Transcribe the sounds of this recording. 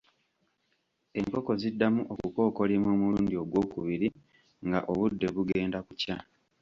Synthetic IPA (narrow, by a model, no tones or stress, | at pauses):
e̞ŋko̞ko̞zidːamuʔokuko̞ːko̞limoːmuluːndio̞ɡwo̞ːkuβiɾi | ŋɡaʔo̞βudːe̞βuɡe̞ːndakuca